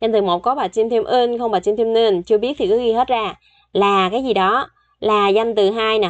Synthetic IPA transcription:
za˧ŋ̟t̪ɨ˨˩mo˨˩t̚kɔ˨˦ɓaː˨˩t͡ɕi˧mt̪ʰi˧mʔi˧nxə˧wŋ͡mɓaː˨˩t͡ɕi˧mt̪ʰi˧mni˧nt͡ɕɨ˧əɓi˦˥ət̪ʰi˨˩kɨ˨˦ɣi˧ɦe˦˥t̚zaː˧ | laː˨˩kaː˨˦jzi˨˩ɗɔ˨˦ | laː˨˩za˧jŋ̟t̪ɨ˨˩ɦaː˧jna˨˩

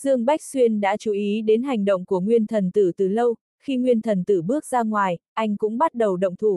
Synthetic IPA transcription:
z̥ɨ˧əŋɓa˦˥jk̟̚swi˧ənɗa̰ː˧˥t͡ɕu˨˦ʔi˨˦ɗe˨˦nɦa˨˩jŋ̟ɗo̰˧˨ŋ͡mku˧˩əŋwi˧ənt̪ʰə˨˩nt̪ɨ˧˩t̪ɨ˨˩lə˧w | xi˧ŋwi˧ənt̪ʰə˨˩nt̪ɨ˧˩ɓɨ˦˥ək̚zaː˧ŋwaː˨˩jʔa˧jŋ̟kʊ̰˧˥ŋ͡mɓa˦˥t̚ɗə˨˩wɗə̰˧˨wŋ͡mt̪ʰu˧˩

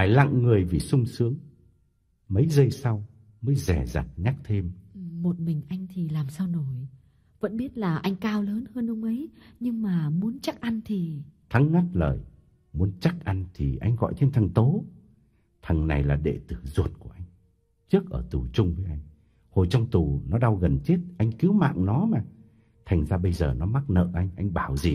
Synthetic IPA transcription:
vaː˧˩jla̰˧˨ŋŋɨ˨˩əjvi˨˩sʊ˧ŋ͡msɨ˨˦əŋ | mə˨˦jzə˧jsa˧w | məː˨˦jzɛ˧˩za̰˨˩t̚ɲa˦˥k̚t̪ʰe˧mʔmo˨˩t̚mï˨˩ŋ̟ʔa˧jŋ̟t̪ʰi˨˩laː˨˩msaː˧wno˨˩j | və̰˧˥nɓi˦˥ət̚laː˨˩ʔa˧jŋ̟kaː˧wləː˨˦nhəː˧nʔʊ˧ŋ͡mʔə˨˦jɲɨ˧ŋmaː˨˩mu˨˦ənt͡ɕa˦˥k̚ʔa˧nt̪ʰi˨˩t̪ʰa˨˦ŋːa˦˥t̚lə̰ː˨˩j | mu˨˦ənt͡ɕa˦˥k̚ʔa˧nt̪ʰi˨˩ʔa˧jŋ̟ɣɔ̰˧˨jt͡ɕʰe˧nt̪ʰə˨˩ŋt̪o˨˦ | t̪ʰə˨˩ŋna˨˩jlaː˨˩ɗḛ˧˩t̪ɨ˧˩zu˨˩ət̚ku˧˩əʔa˧jŋ̟ | t͡ɕɨ˦˥ək̚ʔəː˧˩t̪u˨˩t͡ɕʊ˧ŋ͡mvəː˨˦jʔa˧jŋ̟ | ho˨˩jt͡ɕɔ˧wŋ͡mt̪u˨˩nɔ˨˦ɗa˧wɣə˨˩nt͡ɕe˦˥t̚ʔa˧jŋ̟ki˨˦wma̰ː˧˨ŋnɔ˨˦maː˨˩ | t̪ʰa˨˩jŋ̟zaː˧ɓə˧jzəː˨˩nɔ˨˦ma˦˥t̚nə̰ː˧˨ʔa˧jŋ̟ʔa˧jŋ̟ɓaː˧˩wzi˨˩

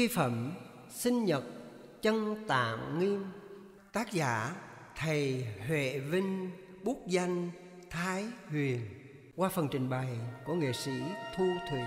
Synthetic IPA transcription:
i˧fə˧˩m | sï˧ŋɲə˨˩t̚ | t͡ɕə˧ŋt̪a̰ː˧˨mŋi˧əm | t̪aː˦˥k̚zaː˧˦ | t̪ʰə˨˩jhwḛ˧˨vï˧ŋ | ɓu˦˥k̚za˧jŋ̟ | t̪ʰaː˨˦jhwi˨˩ən | kwaː˧fə˨˩nt͡ɕï˨˩ŋ̟ɓa˨˩jku˧˩əŋḛ˧˨si˧˥t̪ʰu˧t̪ʰu˨˩˨

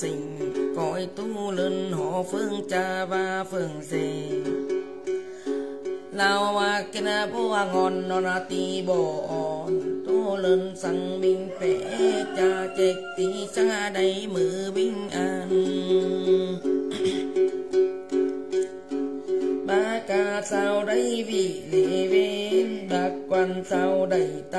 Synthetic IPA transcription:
si˨˩ŋkɔː˨˩jt̪u˧˥˩lɯ˧nhɔː˨˦fɯ˧˨ŋt͡ɕa˧baː˧fɯ˧˩ŋse˧ | la˧wwaː˧ke˧na˧boː˧˩a˧ŋɔ˧nːɔ˧ɾa˧t̪i˧bɔː˧˩ʔɔː˨˩nt̪u˧˩lɤ˧nsa˧ŋmi˧ŋpɛː˨˦t͡ɕa˧kɛ˧k̚t̪i˧˦t͡ɕa˧da˧jmɯː˨˦wi˧˨ŋʔa˧n | maː˧˦ka˧sa˧wda˧˩˨jwi˧˩le˨we˧˦˧nbaː˧k̚wa˧nsa˧wda˧˩jt̪

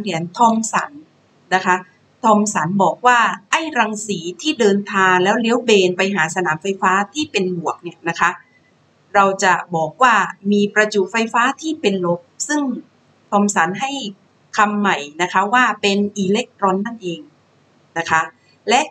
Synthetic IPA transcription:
li˩˦ənt̪ʰɔː˧msa˩˦nː | a˦˥kʰa˦˥ | t̪ʰɔː˧msa˩˦nbɔː˨˩k̚waː˥˩ʔa˥˩jɾaː˧ŋsiː˩˦t̪ʰiː˥˩dɤː˧nt̪ʰaː˧ŋlɛː˦˥wli˦əwbeː˧npa˧jɦaː˩˦sa˧naː˩˦mfa˧jfaː˦˥t̪ʰiː˥˩pe˧nbu˨˩ək̚ni˥˩ɐna˦˥kʰa˦˥ʔ | ɾa˧wt͡ɕa˨˩bɔː˨˩k̚waː˥˩miː˧pɾa˧t͡ɕu˨˩fa˧jfaː˦˥t̪ʰiː˥˩pe˧nlo˦˥p̚sɯ˥˩ŋ | t̪ʰɔː˧msa˩˦nɦa˥˩j | kʰa˧mːa˨˩jna˦˥kʰa˦˥waː˥˩pe˧nʔiː˧le˦˥k̚t̪ɾɔ˧nːa˥˩nʔeː˧ŋ | na˦˥kʰa˦˥ | lɛ˦˥ʔ

